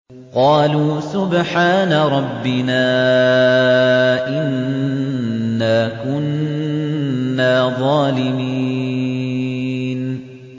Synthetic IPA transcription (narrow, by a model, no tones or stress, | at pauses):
qɑːluːsʊbħaːnaɾˤɑbːɪnaː | ʔɪn | aːkʊn | aːðˤɑːlɪmiː | n